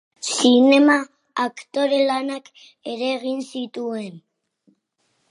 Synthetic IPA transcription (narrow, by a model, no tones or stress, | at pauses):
sine̞maː | kt̪o̞ɾe̞lanak | e̞ɾe̞ɣinsit̪ue̞n